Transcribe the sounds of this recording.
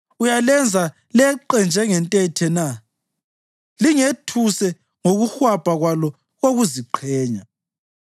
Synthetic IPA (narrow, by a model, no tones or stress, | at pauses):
ujalɛnd͡zʱa | lɛǃɛnd͡ʒʱɛŋɛntʼɛtʰɛna | liŋetʰusɛ | ŋoɣuxwab̥ʱaɣwalɔ | ɣoɣuziǃʰɛːɲa